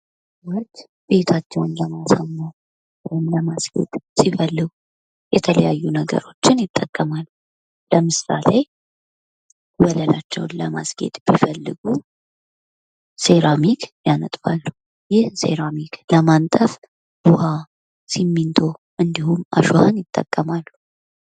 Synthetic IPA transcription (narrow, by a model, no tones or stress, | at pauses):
wɔt͡ʃː | be̞t̪ʰat͡ʃːɛwnləmasamːa | ɛnləmasɡ̥ḛt̪ʼsifəlːɨɡu | jɛt̪ʰələjajːunəɡə̰ɾo̞t͡ʃːɪnjɪt̪ʼːəkʼːəmal | ləmɨsa̰le | wələlat͡ʃːɛwnləma̰sɡe̞̰t̪ʼb̥ifəlːɨɡu | se̞ɾamikʰjanət̪ʼfalːu | jɪhse̞̰ɾamikʰləmant̪ʼəf | b̥uha | simːint̪ʰo̞ | ʔɨnd̪ihumʔa̰ʃohanjɪt̪ʼːə̰kʼːəmalːu